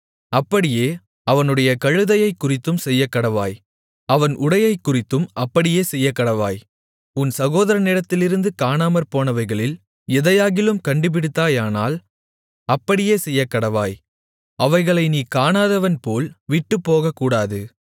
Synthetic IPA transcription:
ɐpːɐɽɪjeː | ɐʋɐnɯɽɐjɐkɐɻɯðɐjɐɪkːʊrɪt̪ːɯmsɛjːɐkːɐɽɐʋa̰ːj | ɐʋɐnʔʊɽɐjɐɪkːʊrɪt̪ːɯmɐpːɐɽɪjeːsɛjːɐkːɐɽɐʋa̰ːj | ʊnsɐɣoːðɐɾɐnɛɽɐt̪ːɪlɪɾɯnd̪ɯkaːnaːmɐɾpoːnɐʋɐɪɣɐɭɪl | ɛðɐjaːɣɪlɯmkɐɳɖɯp̬ɪɽɯt̪ːaːjaːna̰ːl | ɐpːɐɽɪjeːsɛjːɐkːɐɽɐʋaːj | ʔɐʋɐɪɣɐɭɐɪniːkaːnaːðɐʋɐnpoːlʋɪʈːɯpːoːɣɐkːuːɽaːðɯ

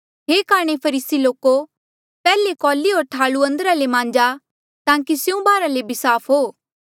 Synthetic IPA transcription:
ɦeːkaːɽ̃epʰɐɾiːsiloːko | pɛːlekɔːliɦoːɾt̪ʰaːluɐ̃nd̪ɾalemãːɲd͡ʒa | t̪ãːkisjũbaːɾalebʱisaːpʰɦoː

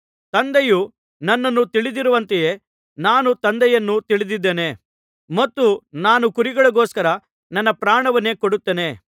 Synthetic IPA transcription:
t̪ɐnd̪eju | nɐnːɐnːut̪iɭid̪iɾuʋɐnt̪eje | naːnut̪ɐnd̪ɛjɐnːut̪iɭid̪id̪ːeːne̞ | mɐt̪ːunaːnukuɾiɡɐɭɐɡoːskɐɾɐ | nɐnːɐpɾaːɳɐʋɐnːe̞ːkoɽut̪ːene̞

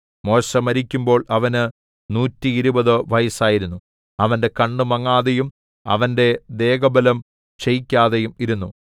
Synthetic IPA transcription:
mo̞ːʂɐmɐɾikʲːumbo̞ːɭʔɐʋɐnɨ | nuːtːiːɾubɐðoʋɐjɐsaːjiɾunːu | ɐʋɐnde̞kɐɳːumɐŋːaːðejum | ɐ̰ʋɐnde̞d̪e̞ːɡɐbɐlɐm | t͡ɕejikʲːaːðejumiɾunːu

